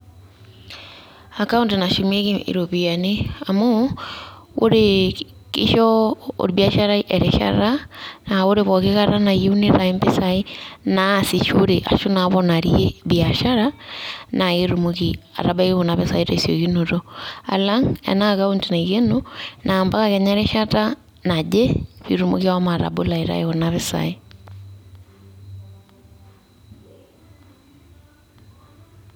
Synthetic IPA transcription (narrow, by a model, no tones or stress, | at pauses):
akauntinaʃimeɣiḭɾoβianeamo | oɾe | kḭʃɔo̰ɾiβjaʃaɾaiʔeɾeʃa̰ɾanaoɾeβɔkeɣaɾanajeuneɾaimbesainasiʃoɾeʔa̰ʃonaβɔnaɾjeβjaʃaɾanaɣeɾumuɣia̰ɾabaieɣonaβesaitasjoɣinuɾoa̰laŋɛ̰naɣauntunaɣenonaːmbaɣaɣɛɲaɾɛʃata | nad͡ʒeβiɾumṵɣiawamaɾa̰bolaiɾa̰eɣonaβesa̰i